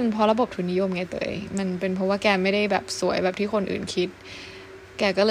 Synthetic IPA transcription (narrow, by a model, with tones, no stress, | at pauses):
npʰɔ˧ɾa˧bo˨˩p̚t̪ʰu˨˩nːi˦˥jo˧mŋa˧˩t̪ɤ̰ː˧˦˧jma˧npe˧npʰɔ˦˥waː˥˩kɛː˧ma˥˩jda˥˩jbɛː˨˩p̚su˨˩˦əjbɛː˨˩p̚t̪ʰiː˥˩kʰxʰo˧nʔɯ̰ː˨˩nkʰi˦˥t̪̚ | kɛː˧˩kɔː˥˩lɤː˧